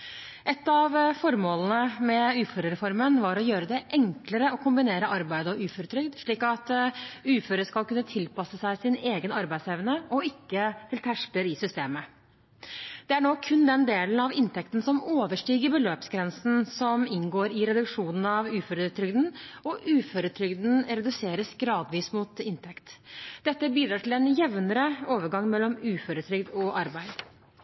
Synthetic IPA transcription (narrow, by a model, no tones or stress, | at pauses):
ʔɛt̪ːɑʋfɔɾmoːlnəmɛʉːføɾəɾɛfɔɾmənʋɑɾɔjøːɾəd̪ɛʔɛŋkləɾəɔkʰʊmbɪneːɾəʔɑɾbæɪd̪əɔʉːfɔɾʉt̪ʰɾʏɡd̪ʂɭiːkɑt̪ʉːføɾəskɑlkʉnːət̪ʰɪlpɑsəsæɪsɪneːɡənɑɾbæɪsɛʋnəɔɪkːət̪ʰɪlt̪ʰæʂkləɾɪsʏst̪eːmə | d̪̥ɛæɳoːkʰʉnd̪ɛnd̪eːln̩ɑʋɪnt̪ʰɛkt̪n̩sɔmoːʋəʂʈiːɡəɾbəløːpsɡɾɛnsn̩sɔmɪnɡoːɾɪɾɛd̪ʉkʂuːnn̩ɑʋʉːfœɾt̪ʰɾʏɡd̪n̩ɔʔʉːføɾət̪ʰɾʏɡd̪n̩ɾɛd̪ʉseːɾəsɡɾɑːd̪ʋiːsmut̪ɪnt̪ʰɛkt̪d̪ɛt̪ːəbiːd̪ɾɑːʈʰɪlɛnjɛʋnəɾəoːʋəɾɡɑŋːmɛlːɔmʉːfœɾət̪ʰɾʏɡd̪ɔʔɑɾbæɪd̪